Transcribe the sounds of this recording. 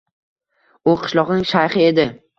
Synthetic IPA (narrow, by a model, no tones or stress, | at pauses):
ʊqʰɨ̥ʃlˠɒʁnɪŋʲʃajχɨe̞d̪ɪ